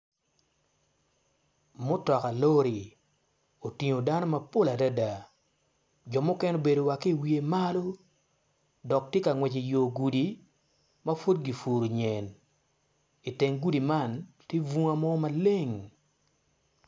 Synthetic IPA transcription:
mʊ˦tɔ˨ka˨lo˦ɾi˨ | o˨ti˨ɲo˨da˦no˦mɐ˨po˦la˨da˦da˨ | d͡ʒɔ˨mʊ˦kɛ˦no˦be˨do˨wa˨ke˦˨wi˨e˨ma˦lo˦ | dɔ˨k̚tje˦ka˨ŋwɛ˨t͡ʃe˨jo˨ɡu˨di˨ | mɐ˦fo˦dɡi˨fu˨ɾo˨ɲɛ˨n | i˨te˨ŋɡu˦di˨ma˦˨ntje˦vu˦ŋa˦mɔ˦ma˨le˦ŋ

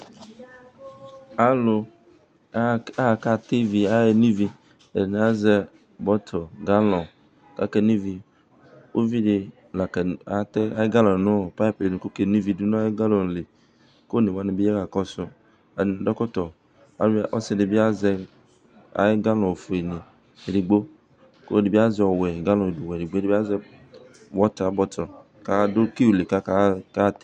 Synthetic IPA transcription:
a˦lo˨˦ | a˦˨ka˦t̪i˦vi˨a˦je˦nĩ˦vi˦ | e˨n˨˦a˦zɛ˦ | bɔ˦t̪ʰɔ˨ɡa˦lɔ̃˨ | ka̰˦kɛ˦nĩ˦vi˨ | wʔo˦vi˦ɖɪ˦ | la˨kɛ˨a˨˦t̪ɛ˦a˦jɪ˦ɡa˦lɔ̃˨nʊ̃˦˨pa˦pe˨nũ˨ko˦ke˨nĩ˦vi˨du˦nʊ̃˦a˦jɡa˦lɔ˨n˨le˨ | ko˦˨ne˨wa˦ne˨bi˦ɛ˦ka˨kɔ˦sʊ˦ | a˨n˨˦dɔ˦kɔ˦tɔ˨ | a˨˦ʔɔ˦sɛ˦de˨bi˦a˦zɛ˧ | a̰˨e˦ɡa˦lɔ̃˨fu˨e˨ne˨ | ɾi˨ɡ͡bo˦ | ko̰˦de˨bi˦a˦zɔ˨wɛ˨ɡa˦lɔ̃˨e˨du˨wɛ˨ɾi˨ɡ͡bo˦de˨ba˦zɛ˦ | wɔ˦ta˨bɔ˦tɔ˨ | ka˦do˦ki˦u˨le˨ka˦ka˦ka˦t̪e̥˨

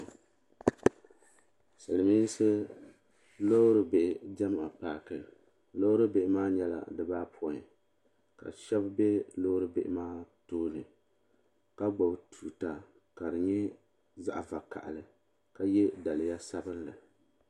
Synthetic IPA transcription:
sɨ˨lɨ˨miː˦n˦sɨ˦ | lo˦ɾɨ˨be˨ʔd͡ʒa˦m˨a˨paː˨kɨ˨ | lo˦ɾɨ˦be˨ʔɪ˨˦maː˦ɲɛ˦la̰˨dɨ˦baː˦pʰɔ˨ɲ˨ | ka̰˨ʃɛ˦bbɛ˦lo˦ɾɨ˦bḛ˨ʔɪ˨maː˦toː˦nɨ˨ | ka˦ɡ͡bɔ˨btuː˨ta˨ | ka˨dɨ˨ɲɛ˦ | za˦ʔa˨va˨ka̰˨ʔa̰˨lɨ˨ | ka˦jɛ˦da˨lɨ˨ja˦sa˦bɨ˦nlɨ˨

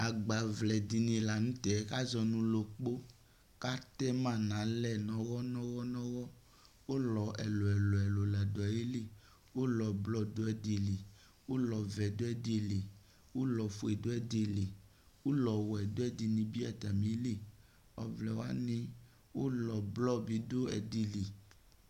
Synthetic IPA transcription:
a˨ɡ͡ba˨vlɛ˨di˨nĩ˨la˨nũ˦t̪ɛ˨˦ka˦zɔ˨nũ˨lo˨k͡po˦ | ka˦t̪ɛ˦mã˦˨nã˨˦lɛ˦nɔ̃˨wɔ˦nɔ̃˦wɔ˦nɔ̃˦wɔ˦ | wo˦lɔ˨ɛ˨lo˨ɛ˨lo˨ɛ˨lo˨la˨dɔ˨˦e˦li˦˨ | wo˦lɔ˨blɔ˦do˦ɛ˨di˨li˨ | wo˦lɔ˨vɛ˨do˦ɛ˦de˨li˨ | wo˦lɔ˨fo˨e˨do˦ɛ˦de˨li˨ | wo˦lɔ˨wɔ˨ɛ˨do˦ɛ˦di˨nĩ˨bi˦a˦t̪a˨mĩ˨˦li˦˨ | ɔ̰˨vlɛ˨wa˦nĩ˦ | wo˦lɔ˨blɔ˦bi˨˦do˦ɛ̰˨di˨li˨

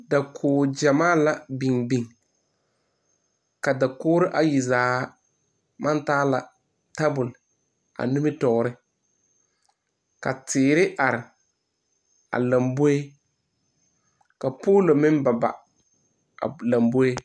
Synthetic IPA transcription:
da˨kʰʊː˨d͡ʒa˨maː˦la˨bi˨ŋbi˨ŋ | ka˨da˨kʊː˦ɾɪ˦ʔa˨ji˨zaː˨˦ | ma˦ntaː˦la˨ | ta˦bʊ˨l | a̰˨ni˦mɪ˦tɔ˨ɾɪ˦ | ka˨tʰɪː˨ɾɪ˦ʔa˨ɾɪ˨ | a̰˨la˨mbo˦e˦ | ka˨poː˦lo˨mɪ˦n˦ba˨ba̰˨ | la˨mbo˦e˦

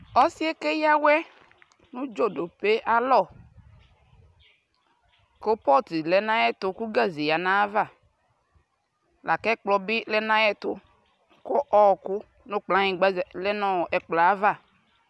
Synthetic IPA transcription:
ɔ˦si˦e˦ke˦ja˦wɛ˦ | nũ˦d͡ʒo˦do˨pe˦ʔa˦lɔ˦˨ | ko˦pɔ˦t̪i˨lɛ˨nã˦jɛ˦t̪ʊ˨ku˦ɡa˦zi˨ja˨nã˦va˦˨ | la˨kɛ˦k͡plɔ˨bi˦lɛ˦nã˦jɛ˦t̪ʊ̰˦ | ko˦ʔɔ˨kʊ˦ | nõ˦k͡plã˦ɲĩ˨ɡ͡ba˦˨lɛ˦nɔ̃˨ɛ˨k͡pla˨a˦va˦˨

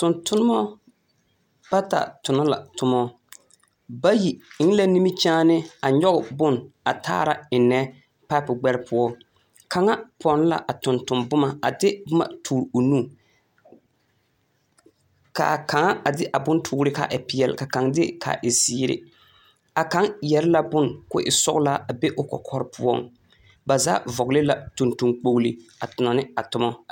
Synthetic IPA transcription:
tʊ˨ntʊ˦nʊ˦mɔ˦ | b̥a˦ta̰˨tʊ˨nɔ˦la̰˨tʊ˦mɔ˦ | ba˦ji˨ɪ˦ŋ˦la˦ni˦mi˦t͡ʃaː˦nɪ˦a˨ɲɔ˦ɣʊ˨bʊ˦na˨tʰa̰ː˦ɾa˨ɪ˨nɛ˦ | pa˦pʊ˨ɡ͡bɛ˦ɾɪ˦pʊ˦ɔ˦ | kʰa˨ŋa˦pʰɔ˨n˦la̰˨ʔa˨tʊ˨ntʊ˨mbʊ˦ma˨a̰˨dɪ˦bʊ˦ma̰˨tʰuː˨ɾo˨nu˦˨ | ka̰˨ka˨ŋa˦a˨dɪ˦ʔa˨bʊ˦ntʰʊː˦ɾɪ˦ka̰˨ʔɪ˨pɪ˨˦ɛ˨lka˨ka˨˦ŋdɪ˦kʰa̰˨ʔɪ˨ziː˦ɾɪ̰˨ | a˨ka˨˦ŋjɛ˨ɾɪ˦la˦bʊ˦nkʊ̰˦ʔɪ˨sɔ̰˦ɣla˦a˨be˦ʔʊ˦kɔ̰˨kʰɔ˦ɾɪ˦pʰʊ˦ɔ̰˦ŋ | ba˨za̰ː˦vɔ˨ɣlɪ˦la˦tu˨ntu˨ŋk͡po˨ɣli˨a˨tʊ˨nɔ˨nɪ˦a˨tʊ˦mɔ˦

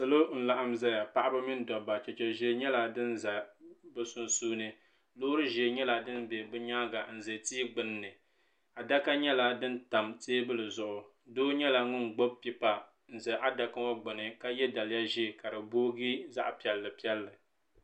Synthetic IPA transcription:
sɨ˨lo˦n̩˦la˨ʔa˦mza˦ja˨pa˦ʔa˦bɨ˦mi˦n˦dɔ˨ba˨t͡ʃɛ˨t͡ʃɛ˨ʒɛ˨˦ɲɛ˦la˨dɨ˦nza˨bɨ˦sʊ˦nsuː˦nɨ˦ | loː˦ɾɨ˦ʒɛ˨ɲɛ˦la˨dɨ˦nbɛ˨bɨ˦ɲaː˦ɡa˨n̩˨zɨ˨tiː˦ɡ͡bɨ˨nː˦ɨ˨ | a˨da˦ka˦ɲɛ˦la˨dɨ˦n˦ta˨mteː˦bɨ˦lɨ˨zʊ˨ʔʊ˨ | doː˦ɲɛ˦la˨ŋʊ˦n˨ɡ͡bo˦b̚pi˦pa˨ | n̩˨zɨ˨ʔa˦da˨kɨ˦a˦ɡ͡bʊ˨nɨ˨ka˦jɛ˦da˨lja˦ʒi˦˨ka˨ɾɨ˨boː˦ɡi˦za̰˦ʔpɛ˨lːɨ˨pi˦ɛ˦lːɨ˨

